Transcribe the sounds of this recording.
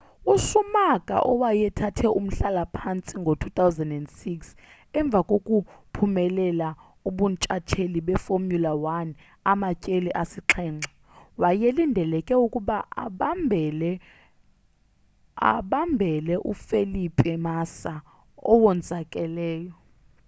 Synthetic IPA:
usumakʼa̰ʔɔwajɛtʰatʰɛʔum̩ɬalapʰant͡sʼiŋɡʱotʰut̪ʰʼawzɛndɛndsiks | ɛɱb̪vʱakʼokʼupʰumɛlɛla | uɓunt͡ʃʼat͡ʃʰeliɓɛfomjulawan | amacʼeliʔasiǁʰɛːŋ͡ǁʱa | wajelindʱɛlɛkʼɛukʼuɓaɓmbʱɛlɛ | a̰ɓambʱɛlɛʔṵfelipʼɛmasa | ɔwɔnd͡zʱakʼɛlɛːjɔ

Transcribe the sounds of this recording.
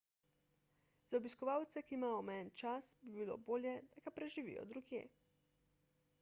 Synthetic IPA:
z̥aɔbiskɔʋaːwt̪sɛkiːmaːjɔmɛnt͡ʃasbibilo̰ːboːljɛd̪aɡapɾɛʒiʋḭjɔ̰d̪ɾuɡjḛː

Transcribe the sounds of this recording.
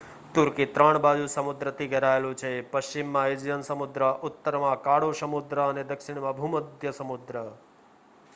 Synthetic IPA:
t̪uɾkit̪ɾaɳbad͡ʒusəmʊd̪ɾət̪ʰiɡʱəɾaelũt͡ʃʰepəʃt͡ʃimːãɪd͡ʒjənsəmʊd̪ɾəʔʊt̪ːəɾmãkaɽoʃəmud̪ɾəːned̪əkʃɪɳ̃mãbʱuməd̪ʱjəsəmʊd̪ɾə

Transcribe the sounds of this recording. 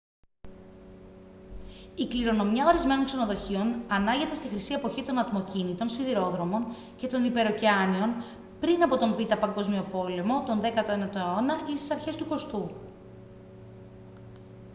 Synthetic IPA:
ikliɾo̞no̞mjɐo̞ɾizme̞no̞ŋkseno̞ðo̞çio̞nɐnɐɲʝe̞t̪e̞st̪ixɾisie̞po̞çit̪o̞nɐt̪mo̞cinit̪o̞nsiðiɾo̞ðɾo̞mo̞n | ce̞t̪o̞nipe̞ɾo̞ceɐnio̞n | pɾinɐpo̞t̪o̞ɱvit̪ɐpɐŋɡo̞zmio̞po̞le̞mo̞t̪o̞nðekɐt̪oenɐt̪oonɐist̪i̥sɐɾçe̞st̪uko̞st̪u

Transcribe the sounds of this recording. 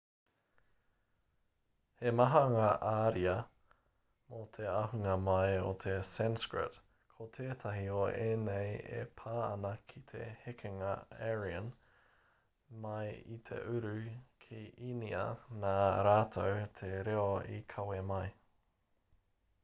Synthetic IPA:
hemɐɦɐŋaʔaːɾiɐ | mot̪ʰeɐɦʉŋɐmɐjot̪ʰesɛnskɹɪ̰t | kʰot̪ʰeːt̪ʰɐɦioeːnejḛpʰaːɐ̰nɐkʰit̪ʰḛhekʰeŋɐ̰ɛɹiən | mɐjit̪ʰḛʔʉɾʉkʰiʔiniɐ̰naːɾaːt̪ʰowt̪ʰeɾeoḭkʰɐwemɐj

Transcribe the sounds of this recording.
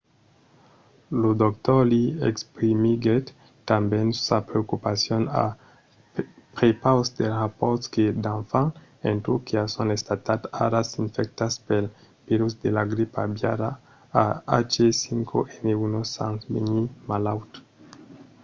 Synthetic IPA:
lod̪okt̪oliekspɾimiɡet | tambensapɾeokupasjona̰ | pepawsd̪elrapoɾsked̪ãnfan | ent̪ukeasonest̪at̪ata̰ɾasiɱfek̚t̪aspel | peɾusd̪elaɡɾipa̰bjaɾa | aa̰t͡ʃesiŋkʰoʔeneunosansbeɲimalawt̪

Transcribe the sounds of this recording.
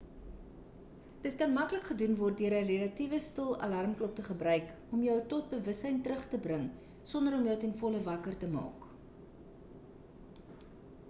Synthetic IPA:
d̥ətkɐnmɐkləkχədunvɔrt̚diəɾərelɐtivəstəlˠɐ̰lɐrmklɔp̚təχəbrœɥk | ɔmjəwtɔt̚bəvəsɦɛjntɾəχtəbrəŋ | sɔndəɾɔmjəwtɛnfɔləvɐkərtəmɑ̰ːk

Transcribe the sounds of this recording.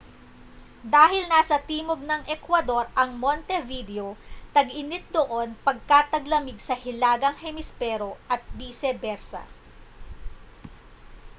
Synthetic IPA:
d̪aːɦɪlnaːsɐt̪iːmoɡ̚nɐŋʔɛkwɐd̪o̞ɾʔɐŋmont̪ɛvid̪ɛo̞t̪ɐɡʔɪnɪt̪̚d̪oʔo̞npɐɡ̚kat̪ɐɡlɐmɪɡsɐhɪlaːɡɐŋhɛmɪspɛːɾo̞ʔɐt̪̚biːsɛbɛɾsɐ̰

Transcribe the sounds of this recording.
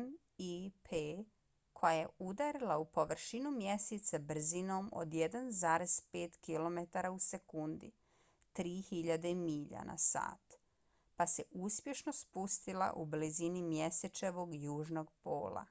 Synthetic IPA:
n | ipʰe | kʰo̞jaje̞ud̪aɾilˠaupo̞ʋr̩ʃinumje̞set̪sabr̩zino̞ːmo̰d̪jed̪anzaːɾe̞z̥pe̞ːt̪kilo̞met̪aɾause̞kund̪ḭ | t̪ɾiːhiʎad̪eimiːʎa̰na̰sa̰ːt̪ | pase̞ʔuspje̞ʃno̞spust̪ilˠa̰ʔublizinimjeset͡ʃeʋo̞ɡjuːʒno̞ɡpo̰ːlˠa̰

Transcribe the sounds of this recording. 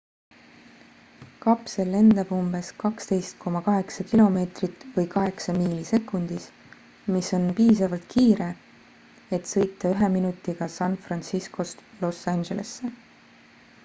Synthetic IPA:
kɑpse̞lːe̞nd̪ɑb̥umb̥e̞skɑkst̪e̞jst̪̚kʰo̞mɑkɑɦe̞ksɑkilo̞me̞ːt̪rit̪ːvɤjkɑɦe̞ksɑmiːlise̞kːˑund̪̥is | miso̞npiːsɑvɑlt̪̚kʰiːɾe̞ | et̪sɤ̞jt̪ˑːɑyɦe̞minut̪ːˑiɡ̥ɑsɑnfrɑnsisko̞st̪lo̞sːɑnʒe̞le̞̰sːe̞

